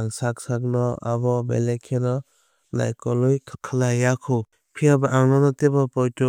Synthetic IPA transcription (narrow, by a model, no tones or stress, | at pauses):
aŋsak̚sak̚nɔa̰bɔbḛlekʰenɔ | la̰jkɔlujkʰkʰalajakʰu | pʰiabaʔaŋnɔnɔtebɔpɔjtu